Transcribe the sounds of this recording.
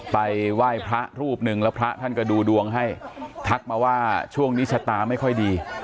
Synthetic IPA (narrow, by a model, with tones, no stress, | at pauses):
pa˧jwaː˥˩jpʰɾa˦˥ʔɾuː˥˩p̚nɯ˨˩ŋlɛː˦˥wpʰɾa˦˥t̪ʰa˥˩nkɔ˥˩duː˧du˧əŋɦa˥˩jt̪ʰa˦˥k̚maː˧waː˥˩t͡ɕʰu˥˩əŋniː˦˥t͡ɕʰa˧t̪aː˧ma˥˩jkʰɔ˥˩jdiː˧